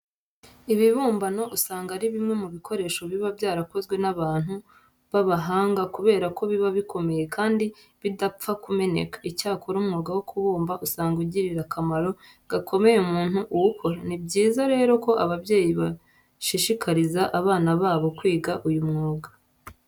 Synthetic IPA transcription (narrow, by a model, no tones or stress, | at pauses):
iβiβuːmbano̞ʔusaːŋɡaɾiβimŋe̞muβikʰo̞ɾe̞ːʃo̞βiβabjaːɾako̞zɡwe̞naβaːn̥hu | βaβaɦaːŋɡakuβe̞ːɾako̞βiβaβikʰo̞me̞je̞kaːndi | βidap͡fakume̞ne̞̰kḁicaːkʰoɾumŋoːɡawokʰuβuːmbaʔusaːŋɡuɟiɾiɾakamaɾo̞ | ɡ̥akʰo̞me̞jeumuːnuʔuwukʰo̞ɾanibɟiːzaɾe̞ːɾo̞ko̞ʔaβabje̞ːjiβa | ʃiʃikʰaɾizaʔaβaːnaβaːβo̞kwiːɡaʔujumŋoːɡḁ